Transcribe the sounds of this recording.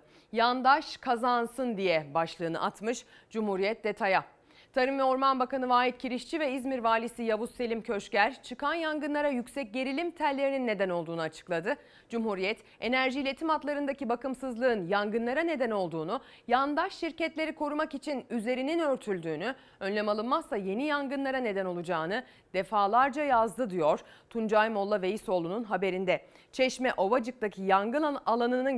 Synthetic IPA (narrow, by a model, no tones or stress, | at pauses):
jand̪aʃkʰazansɯnd̪ijɛbaʃlˠɯːnɯ̰ʔat̪mɯʃ | d͡ʒumhuɾijɛt̪̚d̪e̞t̪ʰaja | t̪ʰaɾɯmvɛoɾmanbakanɯvaːɦit̪̚cʰiɾiʃt͡ʃʰivɛizmiɾvaːlʲisijabusːe̞lʲimcʰø̞ʃcæɾt͡ʃʰɯkʰanjaŋɡɯnlˠaɾajycsɛc̚ɟe̞ɾilʲimt̪ʰælːʲe̞ɾininːe̞d̪æno̞lˠd̪uːnuat͡ʃʰɯ̥klˠad̪ɯ | d͡ʒumhuɾijɛt̪ | e̞næɾʒiːlʲe̞t̪ʰimat̪lˠaɾɯnd̪acibakɯmsɯzlˠɯɯnjaŋɡɯnlˠaɾane̞d̪æno̞lˠd̪uːnu | jand̪aʃːiɾcɛt̪lʲe̞ɾikʰo̞ɾumakit͡ʃʰinyze̞ɾininø̞ɾt̪ʰylʲd̪yːny | ønlʲemalˠɯnmast̪aje̞nijaŋɡɯnlˠaɾane̞d̪æno̞lˠud͡ʒaːnɯ | d̪̥e̞faːlˠaɾd͡ʒajazd̪ɯd̪ijo̞ɾ̥ | t̪ʰund͡ʒajmo̞lˠːave̞jiso̞ːlˠununɦabe̞ɾind̪ɛ | t͡ʃʰɛʃmɛʔo̞vad͡ʒɯk̚t̪acʰijaŋɡɯnalˠanɯnɯn